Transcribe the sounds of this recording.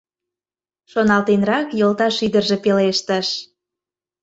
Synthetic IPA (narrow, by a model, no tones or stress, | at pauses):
ʃonɑlt̪enrɑkjolt̪ɑʃid̪ərʒe̽peleʃt̪əʃ